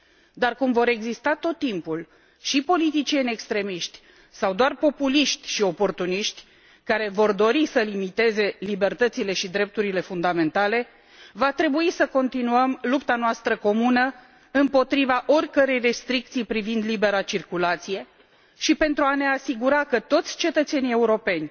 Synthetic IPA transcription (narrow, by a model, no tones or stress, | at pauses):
d̪arkumvo̞ɾe̞ɡzist̪at̪o̞t̪ːimpul | ʃipo̞lit̪it͡ʃienʲe̞kst̪ɾe̞miʃt̪ʲ | sawd̪oarpo̞puliʃt̪ʲʃio̞po̞rt̪uniʃt̪ʲ | kaɾe̞vo̞rd̪o̞ɾisəlimit̪e̞ze̞libe̞rt̪ət̪sile̞ʃid̪ɾe̞p̚t̪uɾile̞fund̪ame̞nt̪ale̞ | vat̪ɾe̞buisəko̞nt̪inuəmlupt̪anoast̪ɾəko̞munə | ɨmpo̞t̪ɾivaʔo̞rʲkəɾe̞jre̞st̪ɾik̚t̪sijpɾivind̪libe̞ɾat͡ʃirkulat̪sije̞ | ʃipe̞nt̪ɾuane̞asiɡuɾakət̪o̞t̪sʲt͡ʃe̞t̪ət̪se̞nie̞uɾo̞pe̞nʲ